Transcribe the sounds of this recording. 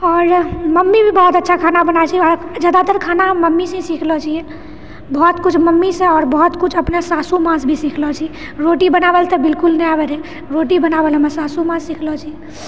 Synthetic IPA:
ɔːɾməmːibʱibɔɦut̪ətːʃʰakʰanabənat͡ʃʰiɔɾd͡ʒaːd̪at̪əɾkʰanaɦəmːəmːisẽĩsikʰlɔt͡ʃʰije | bɔt̪kut͡ʃʰməmːisẽɔːɾbəɦut̪kut͡ʃʰəpnesasumãsbʱisikʰlɔt͡ʃʰi | ɾoʈibənabɛlt̪ebɪlkulnəjabɛɾe | ɾoʈibənabɛlemesasumãssikʰlɔt͡ʃʰijɛ

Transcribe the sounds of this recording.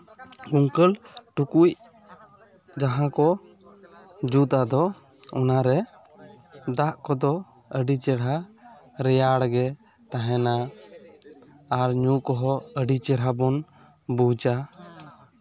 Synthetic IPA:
ɡuŋkəlʈukuc̚ | d͡ʒaɦãkɔ | d͡ʒut̪ad̪ɔ | ɔnaɾɛ | d̪aʔkɔd̪ɔ | əɖit͡ʃɛɽɦa | ɾɛjaɽɡɛ | t̪aɦɛ̃na | ɾɲukɔɦɔəɖit͡ʃɛɽɦabɔn | but͡ʃa

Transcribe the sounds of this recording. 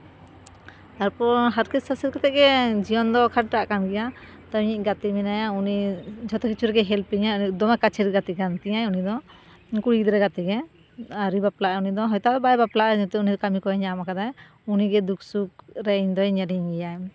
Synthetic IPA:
t̪aɾpɔɾɦaɾkissasɛɾkɛt̪ɛʔɡɛd͡ʒijɔnd̪ɔkʰaʈ̚ʈaʔkanɡɛja | t̪aɲiʔ̚ɡat̪iminajaunid͡ʒʱɔt̪ɛkit͡ʃʰuɾɛɡɛɦɛlpiɲaid̪ɔmɛkat͡ʃʰɛɾɡat̪ikant̪iɲajunid̪ɔ | kuɽid̪ɾɛɡat̪iɡɛ | aɾibaplaʔɛunid̪ɔɦɔjt̪ab̪ɛbajbaplaʔɛd͡ʒt̪ɛunid̪ɔkamikɔɛɲamakad̪aj | uniɡɛd̪uksukɾɛiɲd̪ɔjɲaɾiŋɡɛjaj

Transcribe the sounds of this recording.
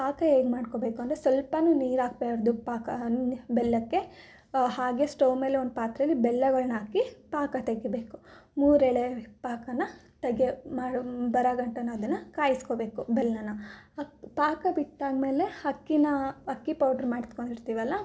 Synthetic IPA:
paːkɐeːɡmaːɖkobe̞ːkuɐnd̪ɾesʋɐlpɐnuniːɾaːɡpeɾɐd̪upaːkɐbɛlːɐkːe̞ | ɦaːɡesʈowme̞ːleond̪upaːt̪ɾɐɐlːibɛlːɐɡɐɭnaːkːipaːkɐt̪ɐɡːebeːku̥muːɾɛɭepaːkɐnːɐ | t̪ɐɡːemaːɽubɐɾaɡɐɳʈɐnːɐɐd̪ɐnːɐkaːjiskobe̞ːkubɛlːɐnːɐ | paːkɐbiʈ̪ːaːɡme̞ːle̞hɐkːinɐɐkːipɐwʈɐɾmaːɽit̪koɳɖiɾt̪iːʋɐlːɐ

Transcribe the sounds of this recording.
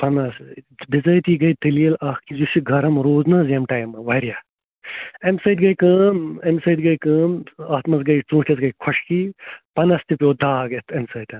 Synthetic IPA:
pɐnɐsbizɐːjt̪iːɡɐjt̪iliːlɐːkkizusiɡʱɐɾɐmɾoːznɐːzɐmʈajmɐʋɐɾjaː | emsɐːt̪ɡɐjkɐːmemsɐjt̪ɡɐjkɐːmaːt̪mɐsɡɐjt͡sũːʈesɡɐjkʰɔʂkipɐnɐst̪ipʲjoːd̪aːɡet̪ʰɐmsɐːt̪ɐm

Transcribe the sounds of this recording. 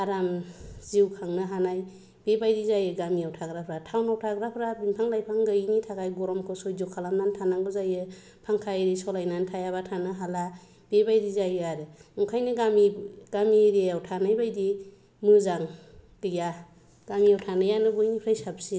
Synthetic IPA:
aɾamziwkʰaŋnɯɦanaj | b̥ebajdizajɯɡamiawtʰaɡɾapʰɾatʰawnawtʰaɡɾapʰɾabinpʰaŋlajpʰaŋɡɯnitʰakajɡɔɾɔmkʰɯsɔjzɔkʰalamnantʰanaŋɡɯzajɯ | pʰaŋkʰaɾisɔlajnantʰajaβatʰanɯɦala | b̥ebajdizajɯaɾɯɔkʰajnɯɡamiɡ̥amiɾiawtʰanajbajdi | mɯzaŋ | dɯja | ɡ̥amiawtʰanɯjanɯbɯjnipʰɾajsap̚si

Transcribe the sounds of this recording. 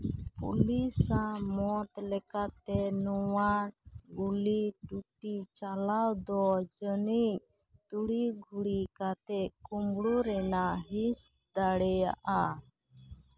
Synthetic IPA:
pṵlisamɔt̪lɛkat̪ɛnuwanɡuliʈuʈit͡ʃalawd̪ɔd͡ʒəniɲ | t̪uɽiɡʱuɽikat̪ɛkumbɽuɾɛnaɦit͡ʃ | d̪aɽɛja̰ʔa

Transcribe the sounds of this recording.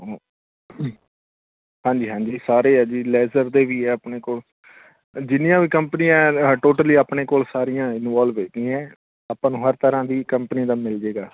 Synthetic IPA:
o | hãːɲd͡ʒiːɦãːɲd͡ʒiːsaːɾeːaːd͡ʒiːlɛːzəɾd̪eːʋiːɛːaːpneːkoːl | d͡ʒɪnɪjãːʋiːkəmpənijãːʈoːʈəliːaːpneːkoːlsaːɾɪjãːɪnʋaːlʋeːd͡ʒd̪ĩːɛ̃ː | aːpãːnũːɦəɾt̪əɾãːd̪iːkəmpəniːd̪aːmɪld͡ʒeːɡaː

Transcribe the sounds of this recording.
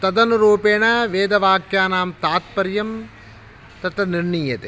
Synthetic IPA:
t̪ɐd̪ɐnuɾuːpeːɳɐʋeːd̪ɐʋaːkjaːnaːmt̪aːt̪̚pɐɾjɐm | t̪ɐt̪ɾɐniɾɳijɐt̪e

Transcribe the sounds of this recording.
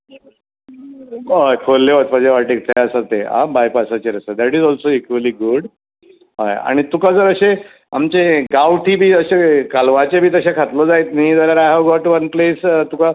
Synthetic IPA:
ɦojkʰolːeʋət̪pə̃d͡ʑeʋaʈiːk̚t̪ʰəjəsat̪ːea̰bajpasat͡ɕeɾəsəd̪æʈizɔlsoikʋəliɡuɖ | ɦaja̰ɽ̃it̪ukad͡zəɾəɕe | a̰mt͡ɕeɡawʈiːbʱiːəɕekalʋat͡ɕebʱiːt̪əɕakʰat̪lɔd͡zajt̪̚niːd͡zəɾaɾaɦawɡɔʈʋənplest̪uka

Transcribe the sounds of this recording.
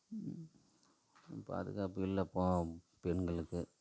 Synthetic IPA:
ɪpːo̰ɐ̰ðɯɣaːpːɯɪlːɐpːõː | pɛɳɡɐɭɯkːɯ

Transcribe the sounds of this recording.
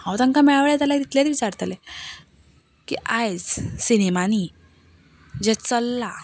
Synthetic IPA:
hãwt̪ãŋkamɛɭʋɭjat̪alat̪it̪let͡sʋit͡ɕaɾt̪le | kḭʔajt͡ssinemani | d͡ʑɛt͡səlːa

